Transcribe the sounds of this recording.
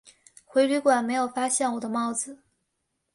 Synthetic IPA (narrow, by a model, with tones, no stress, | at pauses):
xwe˧˥ɪly˧˥kwa˨˩nme˧˥ɪjo˨˩ʊfa˥ɕjɛ˥˩nwɔ˨˩d̪ə˦mɑ˥˩ʊd͡zɹ̩˨˩